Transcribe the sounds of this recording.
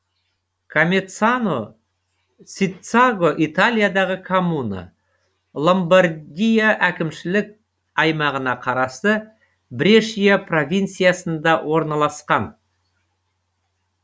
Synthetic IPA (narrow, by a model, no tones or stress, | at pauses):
kʰomʲet̪sano | sʲit̪saɡo̞ʔit̪alʲijad̪ɑʁəkʰomunə̰ | lˠo̞mbaɾd̪ʲijaʔækʲɪmʃɪlɪk̚ | ɑjmɑʁənɑqʰɑɾɑst̪ə | bɪɾeʃijapro̞vʲijnt̪sijasənd̪ɑwʔo̞ɾnɑlˠɑsqɑn